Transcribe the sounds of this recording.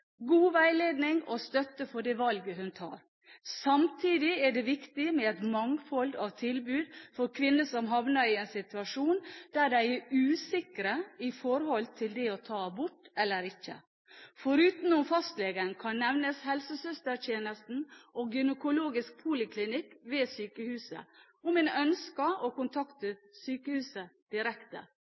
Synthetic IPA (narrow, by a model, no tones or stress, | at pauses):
ɡuːʋæɪleːd̪nɪŋɔst̪œt̪ːəfɔɖɛʋɑlɡəɦʉnt̪ʰɑ̰ːɾ | sɑmt̪ʰiːd̪ɪɛɖɛʋɪkt̪ɪmɛɛt̪mɑŋfɔld̪ɑʋt̪ʰɪlbʉːd̪fɔɾkʰʋɪnːəsɔmɦɑʋnəɾɪɛnsɪt̪ʉɑʂuːnd̪̥æɖæɪɛɾʉːsɪkɾəɪfɔɾhɔlt̪ʰɪld̪ɛɔt̪ʰɑːbʊʈːɛlːəɾɪçːə̰ | fɔɾʉːt̪nʊmfɑst̪lɛːɡənkʰɑnːɛʋnəshɛlsəsœst̪əɾt̪ʰjeːnəst̪n̩ʔɔɡʏnəkʊloːɡɪsk̚pʰuːlɪkʰlɪnɪkːʋeːsyːkəhʉːsə̰ | ɔmɛːnœnskəʔɔkʊnt̪ʰɑkt̪əsyːkəhʉːsəd̪̥ɪɾɛkt̪ə̰